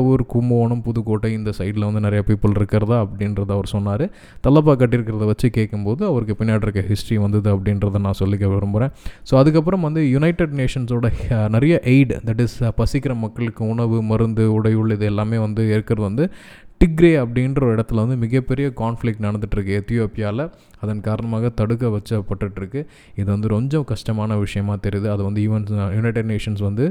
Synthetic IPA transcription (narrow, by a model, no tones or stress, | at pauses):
ɔɾkʊmbɐːɳɐmpʊðʊkoːʈːɐɪnd̪ɐsɐɪɖɪlɐʋɐnd̪ɯnɐɾɐjaːpiːpːɯlɪɾɯkːɪɾɐðaɐpːɐɽɪnɾɐðɯɐʋɐɾsɔnːaːɾɯ | t̪ɐlːɐp̬ːaːkɐʈːɪɾɯk̬ːɪɾɐðɯʋɐt͡ʃːɯkeːʈkːɯmpoːðɯɐʋɐɾɯkːɯpɪnːjaːʈɪɾɯkːɐɦɪsʈɾiʋɐnd̪ɐðɯɐpːɐɽɪnɾɐðanãːsɔlːɪkːɐʋeɾɐmpoːɾẽːsoːɐðɯk̬ːɐp̬ːɯɾɐmʋɐnd̪ɯjʊnɐɪʈeɖneːʂɐnsoːɽɐnɐɾɐjɐʔeɪɖd̪ɐʈːɪspɐsɪkːɪɾɐmɐkːɐɭɯkːɯʊɳɐʋɯmɐɾɯnd̪ɯʊɽɐjɯɭɪðɛlːaːmeːʋɐnd̪ɯɪɾɯkːɪɾɐðɯʋɐnd̪ɯ | ʈɪɡɾeːɐpːɐɽɪnɾɐɾɪɽɐt̪ːɪlʋɐnd̪ɯmɪɣɐpːɛɾɪjɐkaːnflɪk̚ʈnɐɽɐnd̪ɯʈːɾɯkːɯɛt̪ːɪjoːpɪjaːlɐ | ɐðɐnkaːɾɐɳɐmaːɣɐt̪ɐɽɯk̬ːɐʋɛt͡ʃːɐpːɐʈːɯʈːɾɯkːɯ | ɪðɯʋɐnd̪ɯɾɔɲd͡ʒɔ̃kɐʂʈɐmaːnɐʋɪʂɐjɐmaːt̪ɛɾɪjðɯɐðɯʋɐnd̪ɯiːʋɐnjʊnɐɪʈeɖneːʂɐnsʋɐnd̪ɯ